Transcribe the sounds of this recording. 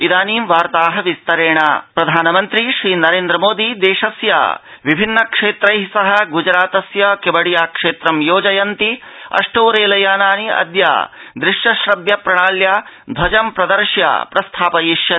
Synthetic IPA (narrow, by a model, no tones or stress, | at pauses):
id̪aːniːmʋaːɾt̪aːɦɐʋist̪ɐɾeːɳɐ̰pɾɐd̪ʱaːnɐmɐnt̪ɾiʃɾiːnɐɾeːnd̪ɾɐmoːd̪id̪eːʃɐsja̰ːʋibʱinːɐkʂeːt̪ɾɐjɦisɐɦɐ̆ɡud͡ʒɾaːt̪ɐsjɐkebɐɽijaːkʂeːt̪ɾɐmjoːd͡ʒɐjɐnt̪i | ɐ̰ʂʈoːɾeːlɐjaːnaːniɐ̰d̪ja̰ːd̪ɾɪʃjɐʃɾɐbjɐpɾɐɳaːljaː | d̪ʱɐd͡ʒɐmpɾɐd̪ɐɾʂja̰ːpɾɐst̪ʰaːpɐjiʃjɐ